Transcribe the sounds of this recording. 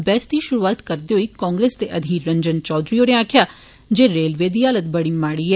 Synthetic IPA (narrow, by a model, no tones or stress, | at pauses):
bɛːst̪iʃʊɾuaːt̪kəɾd̪eɦoikɔ̃ːŋɡɾeːsd̪eʔɐd̪ʱiːɾɾə̃ɲd͡ʒənt͡ʃɔːd̪ɾioːneaːkʰjaː | d͡ʒeːɾeːlʋeːd̪iaːlət̪̚bəɽimaːɽiɦɛː